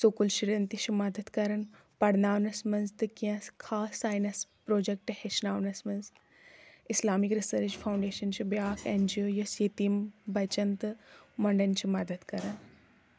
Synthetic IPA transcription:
sokulʃiɾɐnt̪iʃʰimɐd̪əd̪kɐɾɐn | pɐɽnaːʋnɐsmɐnzt̪ɨkiɐ̃skʰaːsːaːjnɐspɾoːd͡ʒek̚ʈheʃnaːʋnɐsmɐnz | ɪslaːmikɾisəɾt͡ʃpʰaːwɳɖeːʃɐnt͡ʃʰibjaːkʰeːnd͡ʒioːjɐsjet̪imbɐt͡ʃɐnt̪mɐɳɖɐnt͡ʃʰimɐd̪əd̪kɐɾɐn

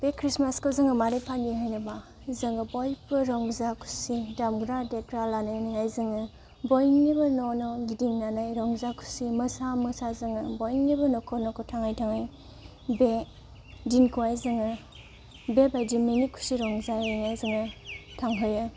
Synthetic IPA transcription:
b̥ekʰɾismaskɯzɯŋɯmaɾepʰaniɦajnɯba | zɯŋɯbɔjpɯɾɔŋzakʰu̥sidamɡɾadetɾalanajniajzɯŋɯ | bɔjnnibɯnɔnɔɡidiŋnanajɾɔŋzakʰu̥simɯsamɯsazɯŋɯbɔjŋnibɯnɔkʰɔnɔkʰɔtʰaŋajtʰaŋaj | be | dinkʰuwajzɯŋɯ | bebajdiminikʰu̥siɾɔŋzaŋajzɯŋɯtʰaŋɦɯjɯ

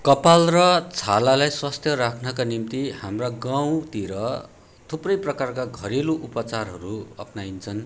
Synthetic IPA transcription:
kʌpalrʌt͡sʰalalajswast̪ʰjʌɾakʰnʌkanimt̪ihamraɡaw̃t̪iɾʌ | t̪ʰuprʌjprʌkarkaɡʱʌɾeluʔupʌt͡sarɦʌɾuʌ̰pnaint͡sʰʌn

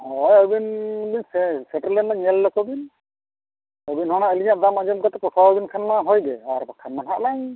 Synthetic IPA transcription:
ɔjɔjbinbinsɛsɛʈɔlɛnːaɲɛlːɔkɔbin | ɔbinhɔnaəliɲaʔd̪amad͡ʒɔmkat̪ɛpɔsʰaɔbinkʰanmaɦɔjdɛaɾbakʰanmanɦaʔlaj

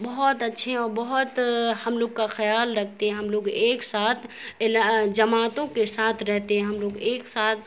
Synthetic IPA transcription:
bəɦɔt̪ətːʃʰeɛ̃ɔːɾbəɦʊt̪həmloːɡkaxəjaːlɾəkʰt̪eɦɛ̃ɦəmloːɡeːksaːt̪ʰelad͡ʒəmaːt̪õkesaːt̪ʰɾɛɦt̪eɦɛ̃ɦəmloːɡeːksaːt̪ʰ

